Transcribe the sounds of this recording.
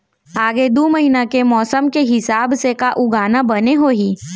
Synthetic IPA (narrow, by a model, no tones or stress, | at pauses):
aːɡed̪oːmɐɦinakemɔːsəmkeɦɪsaːbsekaʔʊɡaːnabɐneɦoːɦiː